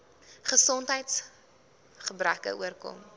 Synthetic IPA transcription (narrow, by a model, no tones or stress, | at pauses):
χəsɔntɦəjts | χəbrækə̰ʔuərkɔ̰m